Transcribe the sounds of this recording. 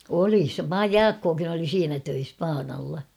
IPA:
oli se jɑːkːoːkin oli siːnæ tøis pɑːnɑlːɑ

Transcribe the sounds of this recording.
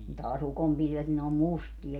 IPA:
tɑːs ukompilʋet ni ne om mustiɑ

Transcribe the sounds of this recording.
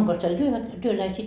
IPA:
oŋkos teil tyøʋæk tyølæisiː

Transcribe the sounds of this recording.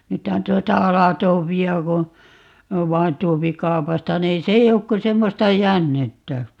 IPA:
nythæn tuotɑ ɑlɑtoːpiɑ ko ʋɑin tuopi kɑu̞pɑstɑ niːn se ei ok ko semːostɑ jænːetːæ

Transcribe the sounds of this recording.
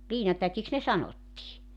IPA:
liːnɑtækiks ne sɑnotːiː

